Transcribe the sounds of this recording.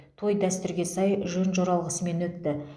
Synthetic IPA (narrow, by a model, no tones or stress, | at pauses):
t̪ʰo̞jd̪æst̪ʏɾɡʲe̞sɑjʒønʒo̞ɾɑlˠʁəsəme̞nwɵt̪ːɪ